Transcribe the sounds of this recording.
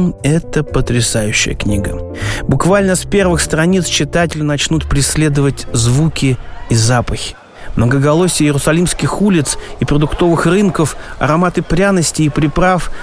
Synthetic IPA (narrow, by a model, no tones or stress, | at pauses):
ɛt̪əpət̪ɾʲɪsajʉɕːɪ̰jə̰knʲiɡə̰bʊkvalʲnəspʲe̞rvɨxst̪ɾɐnʲit̪st͡ɕːɪt̪atʲɪlʲɪnɐt͡ɕnut̪pɾʲɪsʲlʲe̞d̪əvətʲzvukʲɪizapəxʲɪ̥ | mnəɡəɡɐlˠosʲɪjəjɪɾʊsɐlʲimskʲɪxulʲɪt̪sipɾəd̪ʊkt̪o̞vɨxrɨnkəfɐ̰ɾɐmat̪ɨpɾʲanəsʲtʲɪːpɾʲɪpɾaf